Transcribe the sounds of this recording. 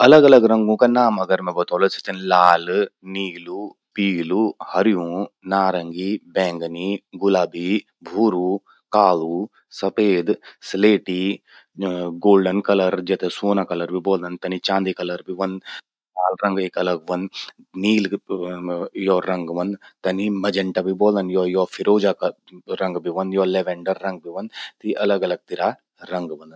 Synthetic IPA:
ɐləɡɐləɡɾɐ̃ŋɡõːkanaːmɐɡəɾmɛ̃bɐt̪oːlot͡ʃʰi̥t̪ɐnlaːlniːlu | piːluhɐɾjũnaːɾɐŋɡibɛ̃ːŋɡniɡʊlaːbʱi | bʱuːɾuː | kaːlu | sɐpeːd̪sleːʈi | ɡoːlɖənkɐləɾd͡ʒɛt̪esoːnakɐlɐɾbʱiboːld̪ɐnt̪ɐnit͡ʃãːnd̪ikɐlɐɾbʱiʋɐnd̪ | kaːlɾɐ̃ŋɡekɐləɡʋɐn | niːl | jɔɾɐŋɡʋɐnt̪ɐnimɐd͡ʒɐɳʈabʱiboːld̪ɐnjɔjɔfʰiɾoːd͡ʒak | ɾɐ̃ŋɡbʱiʋɐnjɔːlɛʋɛ̃ɳɖəɾːɐŋɡ̚bʱiʋɐnt̪iʔɐləɡɐləɡ̚t̪iɾa | ɾɐ̃ŋɡʋɐnd̪

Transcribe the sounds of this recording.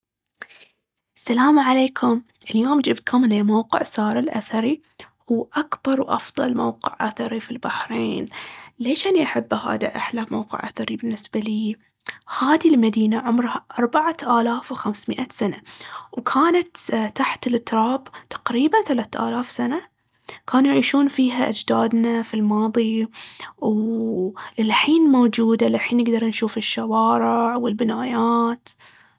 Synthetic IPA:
ʔasːalaːmaʕaleːkʰʊm | ʔɪljoːmd͡ʒɪbt̪̚kʰʊmleːmowqɪ̰ʕsɑːɾˤɪlʔa̰θɑɾi | huːʔakbɑɾˤwʔɑ̰fðˤɑ̰lmawqɪ̰ʕʔaθɑɾifilbaħɾeːnleːʃʔaniʔaħabːha̰ːd̪aʔaħlamawqɪ̰ʕʔaθɑɾibɪnːɪsbaliː | haːðilmad̪iːnaʕʊmɾhaʔɑɾˤbaʕaʔaːlaːfwxamsmɪʔasanawkʰaːnat̪t̪aħt̪ɪlʔɪt̪ɾˤɑːbt̪ḁqɾiːbanθalaːt̪ʔa̰ːlaːfsana | kaːnujʕiːʃuːnfiːɦaʔad͡ʒd̪aːd̪nafilmɑːðˤi | w | lɪlħiːnmowd͡ʒuːd̪alɪlħiːnːɪɡd̪ɑɾˤnʃuːfɪʃːawɑːɾɪʕwɪlbɪnaːjaːt̪

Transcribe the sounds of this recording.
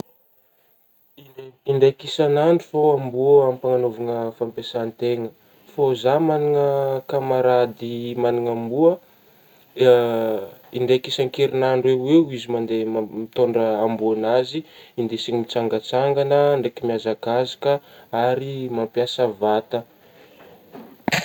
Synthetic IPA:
iiɳɖ͡ʐekisanaɳɖ͡ʐufoambuəampaŋanovaŋəfampesant̪eŋə | fozamaniŋəkamaɾad̪imaniŋambuə | iɳɖ͡ʐejkisaŋkeɾinaɳɖ͡ʐweweuizimand̪emit̪oɳɖ͡ʐəːmbuanaziind̪esiŋimit͡saŋɡət͡saŋɡanəɳɖ͡ʐekimiazakazḁkəaɾimampjasəvat̪ə

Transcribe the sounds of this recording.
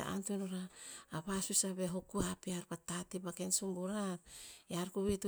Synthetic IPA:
a̰a̰ntunoɾaːβasusaβeɦokuapiaɾpatatibakensumbuɾaɾeaɾkuβitu

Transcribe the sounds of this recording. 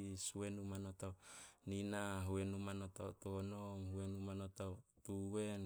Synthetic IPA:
suwenumanotawninaɦuenumanot̪autonomhuenumanot̪awt̪uwen

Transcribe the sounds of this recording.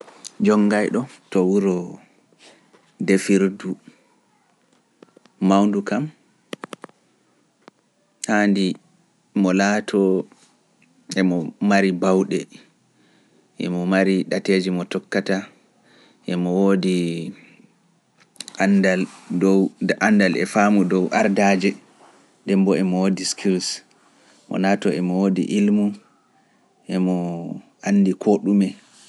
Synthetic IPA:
d͡ʒɔŋːɡajɗɔtɔwuɾɔ | defiɾdu | mawndukam | handi | mɔlaːtʰɔ | ʔɛmɔmaɾibawɗɛ̰ | ʔɛ̰mɔmaɾiɗated͡ʒimɔtɔkːata | ʔɛmɔwodi | andaldɔwanːdalɛfaːmudɔwʔaɾdad͡ʒɛ | dɛmbɔɛmɔwodiskʰiɾs | mɔ̰latɔɛmɔwodḭʔilmu | ʔɛmɔ | ʔanːdikʰoɗumɛ

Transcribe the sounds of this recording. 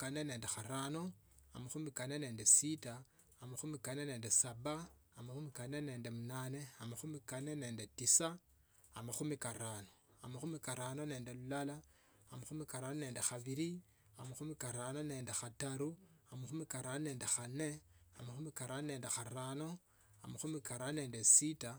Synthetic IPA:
kane̞ne̞ːndexaɾano̞a̰maxumikanene̞ːndesitaː | maxumikane̞ne̞ːndesaβaːmaxumikane̞ne̞ːndemunane̞amaxumikane̞ne̞ːndetisaː | maxumikaɾano | amaxumikaɾano̞ne̞ːnde̞lulala | amaxumikaɾanone̞ːndexaβiɾi | amaxumikaɾano̞ne̞ːndexataɾu | amaxumikaɾanone̞ːndexane̞a̰maxumikaɾanone̞ːndexaɾano̞ | amaxumikaɾanone̞ːndesita

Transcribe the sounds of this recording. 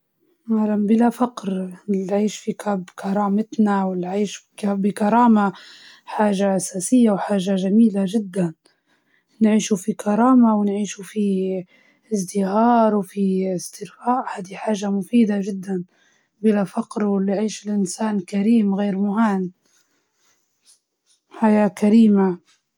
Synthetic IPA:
malambɪlafaqɾlʕiːʃfikabkʰɑɾˤɑːmɪt̪nawɪlʕiːʃbbikɑɾˤɑːma | ħaːʒaʔasaːsɪjːawħaːʒaʒamiːlaʒɪd̪ːan | nʕiːʃufikɑɾˤɑːmawɪnʕiːʃufi | ɪzd̪ɪhɑːɾˤwfiɪst̪ɪɾfaːʔhaːd̪iħaːʒamʊfiːd̪aʒɪd̪ːan | bɪlafaqɾwɪlːiʕiːʃɪlʔɪnsaːnkaɾiːmɣeːɾmʊɦan | ħajaːkaɾiːma

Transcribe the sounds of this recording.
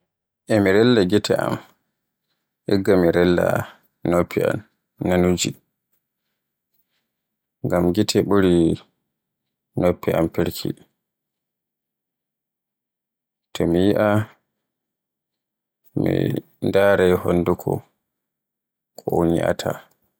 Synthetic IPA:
ʔɛmiɾɛlːaɡitʰɛam | ʔɛɡːamiɾɛlːa̰ | nopʰːia̰m | nanud͡ʒi | ŋɡamɡitʰɛɓuɾi | nopːiʔampiɾkʰḭ | tʰɔmijiʔa | mḭ | ndaːɾɛjhonːdukʰɔ | kʰʼɔoɲḭʔa̰tʰa̰

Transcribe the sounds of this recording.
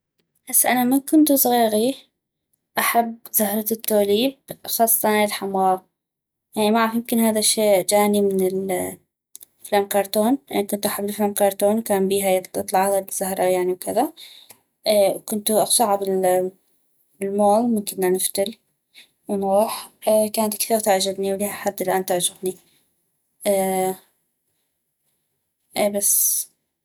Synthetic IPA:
b̥asːʔanamakʊnt̪usˤɣiːɣi | ʔaħabːz̥ahɾˤɑt̪ːoːliːb̚xɑːsˤːɑt̪ɑnɪlħamwaːb̚ | jaʕnimaʕafjɪmkɪnhaːðaʃːeːd͡ʒaːnimɪnɪl | flaːmkɑɾˤt̪oːnjaʕnikʊnt̪ʔaħabːɪlflaːmkɑɾˤt̪oːnwkaːmbiːɦajɨt̪ˤlɑʕaðaz̥ahɾˤɑjaʕniwkɪða | ʔːwkʊnt̪uʔɑxsˤɑʕabɪl | bɪlmoːlmʊmkɪnːanɪft̪ɪl | wnɣuːħkaːnat̪̚kθiːɣt̪aʕd͡ʒabniwliːhaħad̪ːɪlʔaːnt̪aʕd͡ʒɪɣni | ʔː | ʔeːbasː

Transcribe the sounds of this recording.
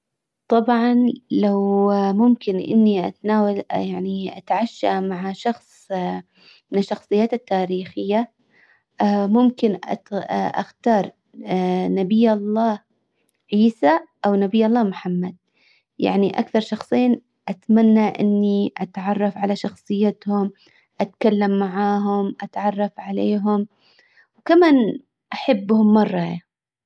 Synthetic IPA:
t̪ˤɑbʕɑnlawmʊmkɪnʔɪ̰nːiʔa̰t̪naːwaljaʕniʔa̰t̪ʕaʃːa̰maʕaʃɑxsˤ | mɪnɪʃːɑxsˤɨjːaːt̪at̪ːaːɾiːxɪjːa | mʊmkɪn | ʔa̰xt̪ɑːɾˤ | nabɪjːɑlˤːɑː | ʕiːsaʔawnabɪjːɑlˤːɑːmħamːad̪̚ | ja̰ʕniʔa̰kθɑɾˤʃɑxsˤiːn | ʔat̪manːaʔɪ̰nːiʔat̪ʕɑrˤːɑfʕalaʃɑxsˤɨjːat̪hʊm | ʔat̪kalːamːaʕaːɦʊmʔat̪ʕɑrˤːɑfʕaleːɦʊm | wkamaːn | ʔaħabːhʊmːɑrˤːɑja

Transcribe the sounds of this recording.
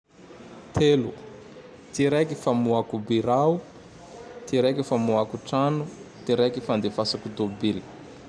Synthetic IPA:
t̪ʰelu | t̪iɾekifamuakubiɾau | t̪iɾekifamuakuʈ͡ʂanut̪iɾekifand̪efasakud̪obili̥

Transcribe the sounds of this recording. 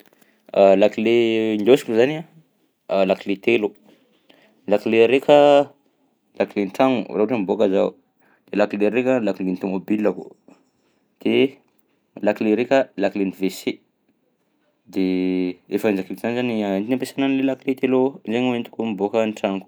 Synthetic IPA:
alakilend̪osi̥kuzana | lakilet̪elu̥ | lakileɾekʲə | lʔakileniʈ͡ʂaŋṵraɦoʈ͡ʂəmibokəza | d̪̥elakileɾekʲəlakilent̪omobilaku | d̪̥e | lakileɾekʲəlakilenivese | d̪eefaind͡ʒakiz̥anizaniint̪inampesananlelakilet̪elud͡ʒeŋuent̪u̥kumibokənʈ͡ʂaŋu̥

